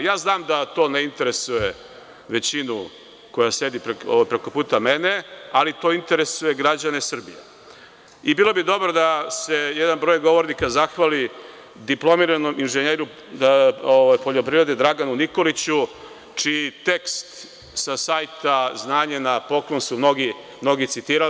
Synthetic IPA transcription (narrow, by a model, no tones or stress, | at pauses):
jaːznaːmd̪at̪o̞ːneint̪e̞ɾe̞suje | ʋe̞t͡ɕinu | ko̞jase̞d̪ipɾeoʋajpɾeko̞puːt̪ame̞ne̞alit̪o̞ːint̪e̞ɾe̞suje̞ɡɾad͡ʑane̞sr̩bijḛ | ibiːlo̞bid̪o̞bɾod̪ase̞jed̪anbɾo̞ːjɡo̞ʋo̞ɾnikazaxʋali | d̪iplo̞miɾanomʔinʒeɲeɾu | oʋajpoʎo̞pɾiʋɾe̞d̪ed̪ɾaɡanuniko̞lit͡ɕu | t͡ʂiit̪e̞kst̪ | sasajt̪aznaːɲenapo̞klˠonsumnoɡi | mno̞ɡit̪sit̪iːɾa